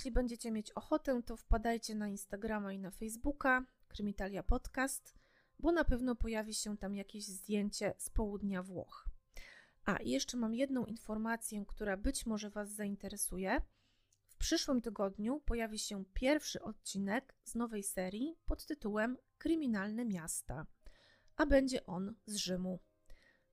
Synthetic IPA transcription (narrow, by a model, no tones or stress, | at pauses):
jɛɕlʲibɛɲd͡ʑɛt͡ɕɛmʲjet͡ɕɔxɔt̪ɛt̪ɔfpad̪ajt͡ɕɛnainst̪aɡɾamainafɛjzbuka | kɾɘmʲit̪alʲjapɔt̪kast̪ | bɔnapɛvn̪ɔpɔjavʲiɕɛt̪amjakʲeʑzd̪ʲjeɲt͡ɕɛspɔwud̪ɲavwɔ̰x | ʔa̰jɛʂt͡ʂɛmamjɛd̪n̪ɔ̃w̃ʔinfɔɾmat̪sʲjɛkt̪uɾabɘt͡ɕmɔʐɛvazːaint̪ɛɾɛsujɛ | fpʂɘʂwɘmt̪ɘɡɔd̪ɲupɔjavʲiɕɛpʲjɛɾfʂɘ̰ʔɔt̪̚t͡ɕinɛkznɔvɛjsɛɾʲjipɔt̪ːɘt̪uwɛmkɾɘmʲinalnɛmʲjast̪a̰ | ʔabɛɲd͡ʑɛʔɔnzʐɘmu